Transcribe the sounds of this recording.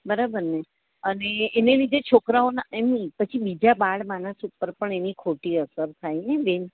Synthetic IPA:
bəɾabəɾne | əneːnelid̪ʱet͡ʃʰokɾaonaemipət͡ʃʰibid͡ʒabaɭmanəsupːəɾpəɳenikʰoʈiəsəɾt̪ʰajneʋen

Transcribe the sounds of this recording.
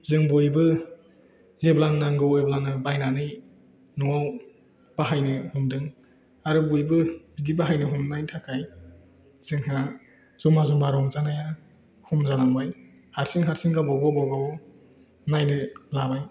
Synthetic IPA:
zɯŋbujbɯ | zeblannaŋɡɯweblanɯbajnanɯj | nɔŋaw | b̥aɦajnɯhumdɯŋ | aɾɯbujbɯbidibaɦajnɯɦumnajntʰakʰaj | z̥ɯŋha | z̥ɔmazumbaɾɔŋzanaja | kʰumzanaŋbaj | haɾsiŋɦaɾsiŋɡabaɡabawɡa | najnɯlabaj

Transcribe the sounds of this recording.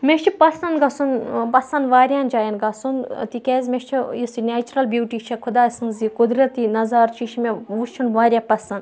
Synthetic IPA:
meʃt͡ʃʰipɐsɐnɡɐsunpɐsɐnd̪ʋaːɾʲjaːnd͡ʒaːjɐnɡɐsunt̪ikʲezmeʃt͡ʃʰijisinʲeːt͡ʃuɾɐlbjuːʈit͡ʃʰɐkʰud̪aːsɨnzikud̪ɾɐt̪inɐzaːɾt͡ʃʰiʃimeʋust͡ʃʰunʋaːɾʲjapɐsɐnd̪

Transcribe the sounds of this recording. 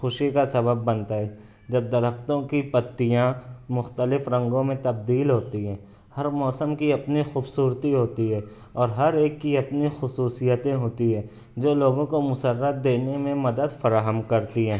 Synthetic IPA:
xʊʃikasɐbəbːɐ̃nt̪aɦɛː | d͡ʒɐb̚d̪ɐɾəxt̪õkipɐt̪ːijãmʊxt̪əlɪfɾɐ̃ŋɡõmẽt̪ɐb̚d̪iːlɦoːt̪iɦɛ̃ː | hɐɾmɔːsəmkiɐpnixuːbsuːɾt̪iɦoːt̪iɦɛː | ɔːɾɦɐɾeːkːiɐpnixʊsuːsijət̪ẽɦoːt̪iɦɛː | d͡ʒoːloːɡõkomʊsəɾːət̪̚d̪eːnemẽmɐd̪əd̪fɐɾaːɦəmkɐɾt̪iɦɛ̃ː

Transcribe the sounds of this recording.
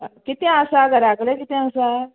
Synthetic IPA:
kit̪ẽasaɡaɾakɽekit̪ẽãsa

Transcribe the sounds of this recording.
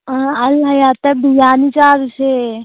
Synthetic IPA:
ɐlɦɐjaːt̪ɐbijaːnit͡ʃaːɾse

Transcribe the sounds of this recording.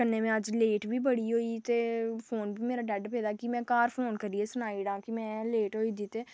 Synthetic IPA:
kənːeːmɛ̃ːəd͡ʒleːʈbiːbəɽiːɦoːiːt̪eːpʰoːnbʱiːmeːɾaːɖɛːɖpeːd̪aːkɪmɛ̃ːkaːɾpʰoːnkəɾiːeːsʊnaːiːɽãːkɪmɛ̃ːleːʈɦoːiːd̪it̪eː

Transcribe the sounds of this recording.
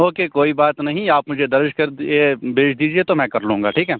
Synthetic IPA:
oːkekoːibaːt̪nɐɦĩaːpmʊd͡ʒʱed̪ɐɾʃkɐɾd̪ebeːʃʰd̪iːd͡ʒiet̪omɛ̃kɐɾlũːŋɡa̰ʈʰiːkɦɛː

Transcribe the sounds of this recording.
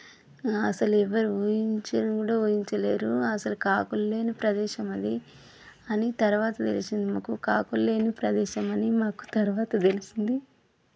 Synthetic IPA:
ɐsɐluɛʋɐɾuuːjiɲt͡ʃekuːɽaːuːjiɲt͡ʃɐle̞ːɾuɐsɐlukaːkulːe̞ːnipɾɐd̪ɛːʃɐmɐd̪i | ɐnit̪ɐɾuʋaːt̪ɐt̪elisind̪imaːkukaːkulːe̞ːnipɾɐd̪ɛːʃɐmɐnimaːku̥t̪ɐɾuʋaːt̪ɐt̪elisind̪i

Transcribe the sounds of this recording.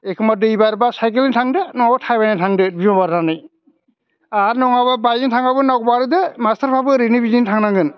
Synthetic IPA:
ekʰɯmadɯibaɾbasajkelintʰaŋdɯnɔŋabatʰajbajnatʰaŋdɯbizabaɾnanɯj | aɾnɔŋababajɯntʰaŋabɯnawk̚baɾɯdɯmastaɾpʰabɯɾinibizintʰaŋnaŋɡɯn

